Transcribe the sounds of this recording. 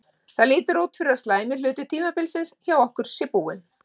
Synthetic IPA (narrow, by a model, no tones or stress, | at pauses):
θaðliːt̪ʏɾuːt̪fɪɾɪɾaðst̪laːjmɪlʏːt̪ʏ̥t̪ʰiːmapɪːlsɪnsçawɔhkʏɾ̥sjɛpuːɪn